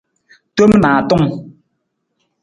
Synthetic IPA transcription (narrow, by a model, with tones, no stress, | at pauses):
to˦mnaː˨tɔ˦˨ŋ